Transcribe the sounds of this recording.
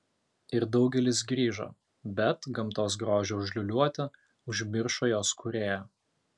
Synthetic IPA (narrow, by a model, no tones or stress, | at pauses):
ɪɾd̪ɒʊɡʲɛlʲɪs̬ɡɾʲiːʒo̰ | bʲɛt̪ɡɐmˑt̪oːs̬ɡɾoːʒʲɛʊʒʲlʲʊlʲuɔt̪ʲɪ | ʊʒʲmʲɪɾʃoːjoːskʰuɾʲeːjoː